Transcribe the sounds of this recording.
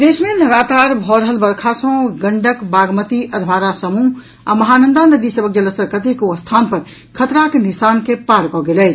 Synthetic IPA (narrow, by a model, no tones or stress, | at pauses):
d̪esmeləɡat̪aɾbʱɔɾəɦəlbəɾkʰasə̃ɡəɳɖəkbaɡmət̪iʔəd̪ʱbaɾasəmu | a̰məɦanənd̪anəd̪isəbək̚d͡ʒələst̪əɾkət̪ikust̪ʰanpəɾ | kʰət̪ɾakenisankepaɾkɔɡelɛɪt͡ʃʰ